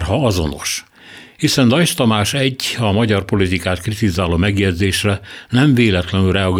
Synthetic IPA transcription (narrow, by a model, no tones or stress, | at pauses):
rɦɒɒzo̞̰no̞̰ʃ | hisɛnd̪ɒjʃt̪ɒmaːʃɛɟːɒmɒɟɒrpo̞lit̪ikaːt̪krit̪izaːloːmɛɡjɛd̪zeːʃrɛnɛɱveːlɛt̪lɛnylrɛɒɡ